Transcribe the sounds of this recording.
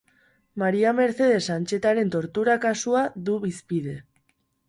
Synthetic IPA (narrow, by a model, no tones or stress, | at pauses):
maɾiame̞ɾθe̞ð̞e̞sant͡ʃe̞t̪aɾe̞nt̪o̞ɾt̪uɾakasuaðuβispið̞e̞